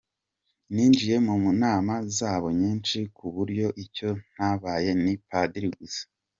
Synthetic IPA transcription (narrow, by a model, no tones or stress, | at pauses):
niːnd͡ʒije̞mumunaːmazaːβo̞ɲiːnt͡ʃikuβuɾjo̞ʔico̞n̥haβaːje̞nipadiɾiɡizḁ